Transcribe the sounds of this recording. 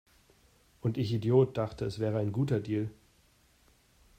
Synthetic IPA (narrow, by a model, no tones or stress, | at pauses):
ʔʊntɪçidjoːt̚d̥aχtəɛsv̥ɛːʁəaɪnɡuːtɐdiːl